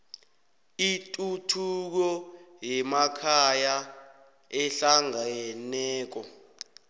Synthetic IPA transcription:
itʼutʰuk̬ɔjɛmakʰaja | ɛɬaŋajɛnɛːk̬ɔ

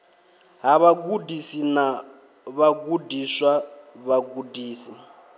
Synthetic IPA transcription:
ɦaβaɡudisina | βaɡudiswaβaɡudiːsi

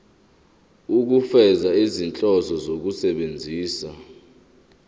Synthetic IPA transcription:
uk̬ufɛzaizint͡ɬʼɔzɔzok̬usɛɓend͡zʱiːsa

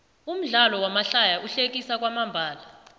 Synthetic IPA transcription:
um̩ɮalɔwamaɬajaʔuɬek̬ʼisak̬ʼwamambʱaːla

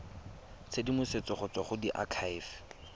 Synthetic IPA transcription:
t͡sʰedimʊset͡sɔχʊt͡sɔχʊdiʔa̰kʰajf

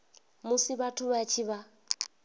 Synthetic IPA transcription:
mʊsiβatʰʊβat͡ʃʰiβa

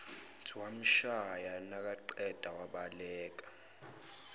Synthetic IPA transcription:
tʰiwam̩ʃajanak̬ʼaǃɛd̥ʱawaɓalɛːk̬ʼḁ

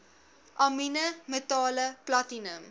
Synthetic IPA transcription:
ʔɑminəmətɑːləplatinəm

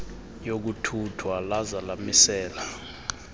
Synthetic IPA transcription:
jok̬utʰutʰwalazalamisɛːla

